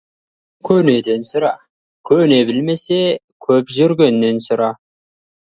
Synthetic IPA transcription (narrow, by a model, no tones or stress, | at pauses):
kʲʰɵne̞d̪e̞nsʊɾɑ | kʲʰɵne̞bɪlme̞sekʲʰɵpʒʏɾɡʲe̞nːe̞nsʊɾɑ